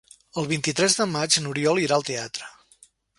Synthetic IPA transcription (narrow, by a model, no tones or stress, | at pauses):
əlˠβint̪it̪ɾɛzðəmad͡ʒnuɾiɔlˠiɾaəlˠt̪eat̪ɾə